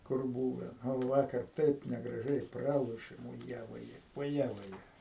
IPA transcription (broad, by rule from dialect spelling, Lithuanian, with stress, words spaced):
kʊr ˈbuːʋʲɛ ˈnʊ ˈʋɑːkɐr ˈtɐɪp nʲɛɡrɐˈʒʲɛɪ ˈprɑːlˠoːʃʲeːm ʊˈjɛ ʋoːˈjɛ ʋoːˈjɛ ʋɐˈjɛ